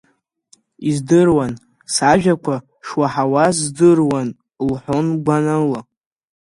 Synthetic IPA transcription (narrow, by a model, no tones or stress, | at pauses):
izdɨrwan | saʒᶣakʷʰa | ʂwaħawazdɨrwan | lħʷonɡʷanala